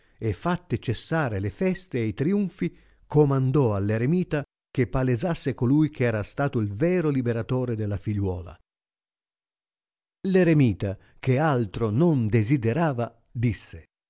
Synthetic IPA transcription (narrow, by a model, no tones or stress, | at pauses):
efːat̪ːet͡ʃesːaːɾelefɛst̪eːjt̪ɾiuɱfi | komand̪ɔalːeɾemiːt̪a | k̟epːaled͡ʒasːekolujk̟ʰɛːɾast̪aːt̪oilvɛːɾolibeɾat̪oːɾed̪elːafiʎːwɔ̰ːla̰ | leɾemiːt̪a | k̟ealt̪ɾonond̪ezid̪eɾaːva | d̪isːe